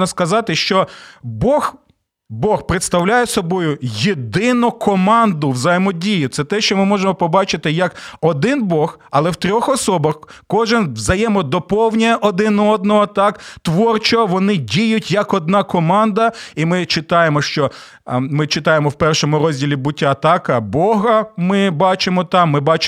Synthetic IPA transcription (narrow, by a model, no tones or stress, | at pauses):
nɐskɐzɑt̪ɪʃt͡ʃɔbɔx | bɔxpɾet̪st̪ɐwlʲajɛsɔbɔjʊjed̪ɪnʊkɔmɑnd̪ʊʋzɐjɛmɔdʲijʊt̪sɛt̪ɛʃt͡ʃɔmɪmɔʒemɔpɔbɑt͡ʃɪt̪ɪjɐkɔd̪ɪnbɔx | ɐlˠɛwt̪ɾʲɔxɔsɔbɐxkɔʒɪnʋzɐjɛmɔd̪ɔpɔwnʲɐɛʔɔd̪ɪnɔɔd̪̚nɔɦɔt̪ɑkt̪ʋɔrt͡ʃɔɔʋɔnɪdʲijʊtʲjɐkɔd̪̚nɑkɔmɑnd̪ɐimɪt͡ʃɪt̪ɑjemɔʃt͡ʃɔ | mɪt͡ʃɪt̪ɑjemɔwpɛrʃɔmʊɾɔzʲdʲilʲibʊtʲːaɐt̪ɑkɐbɔɦɐmɪbɑt͡ʃemɔt̪ɑmːɪbɑt͡ʃ